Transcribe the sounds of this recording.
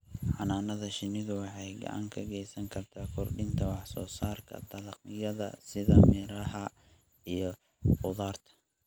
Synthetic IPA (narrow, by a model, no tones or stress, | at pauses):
ħɑnaːnɐðɐʃɪnɪðʊwɑħɑjɡɐ̰ʕɑ̰ŋkʰɐɡɛjsɐŋkʰɐrt̪ʰaːkʰɔrɖɪnt̪ʰɐwɑħsɔːsaːrkʰɐ̰d̪ɐlɐqjɐðɐ̰sɪðɐmɪɾɐhɐ | ijɞ | ʊðaːrt̪ʰɐ̥